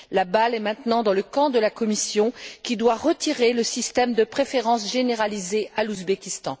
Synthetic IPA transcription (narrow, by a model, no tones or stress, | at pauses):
labalɛmɛ̃t̪nɑ̃d̪ɑ̃ləkɑ̃d̪əlakɔmisjɔ̃kʲid̪waʁət̪iʁeləsist̪ɛmd̪əpχefeʁɑ̃sʒeneʁalizealuzbekʲist̪ɑ̰̃